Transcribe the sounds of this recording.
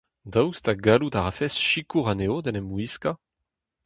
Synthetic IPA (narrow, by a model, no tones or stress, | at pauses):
d̪awst̪aɡalutaʁafɛsʃikuʁaneod̪ɛnɛmuiska